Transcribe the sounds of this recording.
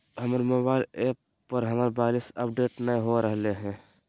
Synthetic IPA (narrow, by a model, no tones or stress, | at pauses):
ɦəmɾmobaɪlepː | əɾɦəməɾbaɪlisəp̚ɖeːʈnəiɦoɾəɦleɦɛ̃